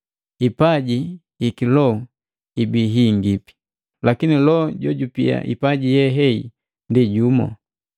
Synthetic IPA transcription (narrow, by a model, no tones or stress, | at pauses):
ipaɟi | ikilɔ | ibiɦiŋɡipi̥ | lakinilɔɟɔɟupia̰ʔḭpaɟijɛɦɛḭ | ndiɟumɔ̰